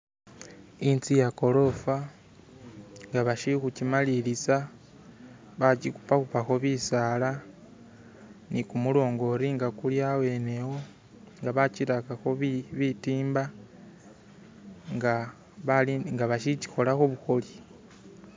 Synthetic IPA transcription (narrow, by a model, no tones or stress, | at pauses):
int͡sijako̞lo̞fa | ŋɡaβaʃikucimalilisa | βat͡ʃiku̥pakupaxo̞βisaːla | nikumulo̞ːŋɡo̞ɾiŋɡakuljawe̞ne̞wo̞ | ŋɡaβaciɾakaxo̞ββitiːmba | ŋɡa | βaliŋɡaβaʃici̥xo̞laxoβuxo̞li